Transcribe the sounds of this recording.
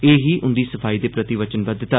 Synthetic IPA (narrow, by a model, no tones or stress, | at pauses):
eːɦiːʔʊ̃nd̪iːsəpʰaːiːd̪eːpɾət̪iʋət͡ʃənbəd̪t̪aː